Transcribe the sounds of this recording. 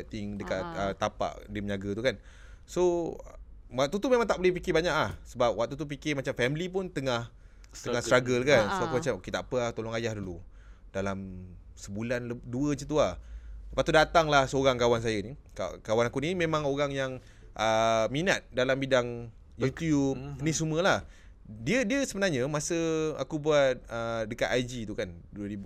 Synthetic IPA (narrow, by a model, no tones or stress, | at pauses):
t̪ɪŋdəkat̪ət̪apa̰ʔdimɲaɡət̪ukan | so | waʔ̚t̪ut̪umẽmãŋt̪aʔbolɛhpikɪbaɲaʔlahsəbap̚waʔ̚t̪ut̪up̬ikɪmat͡ʃamfɛmlipʊnt̪əŋah | tt̪əŋahst̪ɾaɡəlkansoakumat͡ʃamoket̪aʔapəaht̪olɔŋajahdulu | d̥alamsəbulanləduət͡ʃət̪uaht̪əpat̪udat̪aŋlahsəoɾaŋkawans̬ajanika̰kawanakunimẽmãŋoɾaŋjaŋ | ʔəminat̪̚dalambidaŋ | jut̪jup̚nisuməlah | diədiəsəbənarɲəmasəa̰kubuat̚ədəka̰t̪ajd͡ʒit̪ukanduəɾib